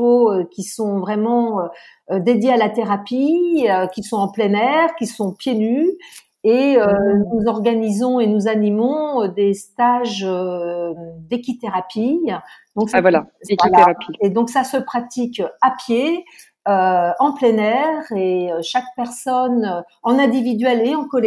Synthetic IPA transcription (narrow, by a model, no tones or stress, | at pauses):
oøkʲisɔ̃vʁɛmɑ̃ø | d̪ed̪jealat̪eʁapiøkʲisɔ̃ɑ̃plɛnɛʁkʲisɔ̃pjeny | eønuzɔʁɡanizɔ̃enuzanimɔ̃ød̪est̪aʒø | d̪ekʲit̪eʁapid̪̥ɔ̃ksavwalavailaeʁapied̪ɔ̃ksasəpχat̪ikʲapje | øɑ̃plɛnɛʁeøʃak̚pɛʁsɔnø | ɑ̃nɛ̃d̪ivid̪ɥɛleɑ̃kɔlɛ